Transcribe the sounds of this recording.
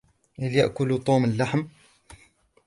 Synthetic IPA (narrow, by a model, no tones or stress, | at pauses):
həlja̰ʔkʊlt̪ˤuːməlːaħm